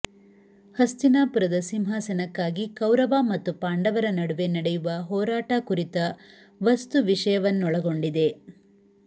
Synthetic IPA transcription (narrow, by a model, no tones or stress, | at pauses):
hɐst̪inaːpuɾɐd̪ɐsimɦaːsɐnɐkːaːɡikɐwɾɐʋaːmɐt̪ːupaːɳɖɐʋɐɾɐnɐɽuʋe̞nɐɽejuʋɐɦɔːɾaːʈɐkuɾit̪ɐ | ʋɐst̪uʋiʂɐjɐʋɐnːɔɭɐɡo̞ɳɖid̪e̞